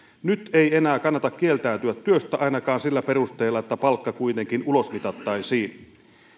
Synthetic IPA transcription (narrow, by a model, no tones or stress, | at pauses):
nyt̪e̞ienæːkɑnːɑt̪ɑkːielt̪æyt̪yæt̪ːyøst̪æʔɑinɑkɑːnsilːæpe̞rust̪eːlːɑet̪ːæpɑlkːɑkuit̪eŋkinulosmit̪ɑt̪ːɑisiːn